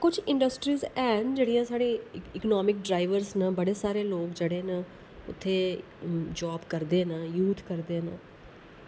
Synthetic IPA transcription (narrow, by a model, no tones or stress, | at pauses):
kʊt͡ʃʰɪ̃ɳɖəsʈɾiːzɛːnd͡ʒeːɽijãːsaːɽeːɪkənaːmɪk̚ɖɾaːɪʋəɾznãːbəɽeːsaːɾeːloːkd͡ʒeːɽeːnãː | ʊ̰t̪ʰːeː | d͡ʒaːbkəɾd̪eːnaːjuːt̪ʰkəɾd̪eːna̰ː